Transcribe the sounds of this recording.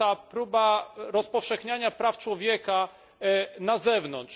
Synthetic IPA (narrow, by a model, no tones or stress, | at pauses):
apɾubaɾɔspɔfʂɛxɲaɲapɾaft͡ʂwɔvʲjɛka | nazɛvnɔnt̪ʂ